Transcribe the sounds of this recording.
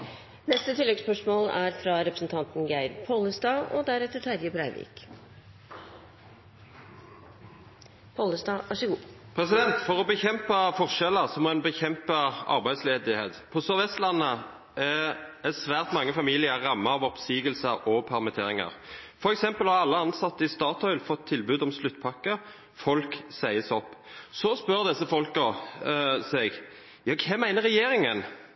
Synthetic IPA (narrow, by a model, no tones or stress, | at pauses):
nɛst̪ət̪ʰɪlːɛɡspœʂmoːlæɾfɾɑɾɛpɾəsn̩t̪ʰɑnt̪n̩ɡæɪɾpʰoləsd̪ɑːɔ̰d̪æɾɛt̪ːət̪ʰæɾjəbɾæɪʋḭːk | pʰoləsd̪ɑːʋɑʂəɡuːpʰɾɛsɪd̪ɛnt̪fɔʁɔbəçɛmpəfɔʁʂɛləʁsɔmɔɛnbəçɛmpəɑ̰ʁbæɪd̪sleːd̪ɪheːt̪pʰɔsœʁʋɛst̪lɑnːə | ɛɛsʋæːʁt̪mɑŋːəfɑmiːlɪəɾːɑmːəɑʋɔpsiːɡəlsəɾɔpʰæʁmɛt̪ʰeːɾɪŋɑ̰ʁfɔɾɛksɛmpəlhɑʁɑlːəɑnsɑt̪ːəɪst̪ɑːt̪ɔʏlfɔt̪ʰːɪlbʉːd̪ɔmslʉt̪ːpʰɑkːə | fɔlksæɪəsɔpːsɔspœɾd̪ɛsːəfɔlkə | sɛɡ | jɑːkʰɛmæɪnəɾʁɛjeːɾɪŋən